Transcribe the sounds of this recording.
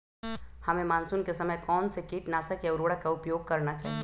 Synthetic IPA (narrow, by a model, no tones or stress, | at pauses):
hɐmẽmaːnsunkesɐməjkɔːnsekiːʈnaːsakjaʊɾoːɽakaʊpjoːɡ̚kɐɾnat͡ʃaːɦi